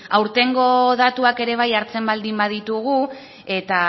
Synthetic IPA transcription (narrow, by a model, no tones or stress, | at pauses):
awɾt̪e̞ŋɡo̞ð̞at̪uake̞ɾe̞β̞ajaɾt͡se̞mbald̪imbað̞it̪uɣ̞u | e̞t̪a